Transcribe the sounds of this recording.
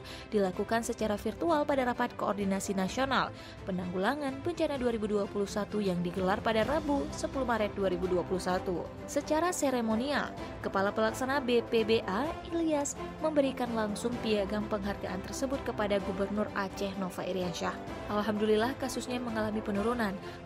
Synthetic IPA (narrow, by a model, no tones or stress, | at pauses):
d̥ilakukansət͡ʃaɾafirt̪ualpadaɾapat̪̚koɔrdinasinasional | pənaŋɡulaŋanbəɲt͡ʃanaduaɾibuduapulusat̪ujaŋdiɡəlarpadarabusəpulumaɾɛt̪̚duaɾibuduapulusat̪u | sət͡ʃaɾaseɾemonia̰kəpalapəlaksanabepebeʔailiasməmbəɾikanlaŋsʊŋpiaɡampəŋɦarɡ̪aʔant̪ərsəbʊt̪̚kəpadaɡubərnʊrat͡ʃɛhnofaʔiɾiaʃahʔalɦamdulilahkasusɲaməŋalamipənuɾunan